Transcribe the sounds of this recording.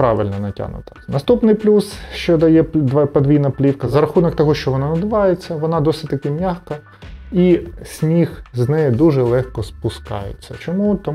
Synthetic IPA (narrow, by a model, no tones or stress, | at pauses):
pɾɑʋɪ̰lʲnɔnɐtʲa̰nʊ̰t̪ɐ̥nɐst̪upnɪjplʲusʃt͡ʃɔd̪ɐjɛpd̪pɐd̪ʋʲijnɐplʲiwkɐzɐɾɐxunɔk̚t̪ɔɦɔʃt͡ʃɔʋɔnɑnɐd̪ɪʋɑjet͡sʲːɐʋɔnɑd̪ɔsʲɪtʲt̪ɐkɪmʲaxkɐ | isʲnʲixznɛjɪd̪uʒɛlˠɛxkɔspʊskɑ̰jḛt͡sʲːɐt͡ʃɔmut̪ɔ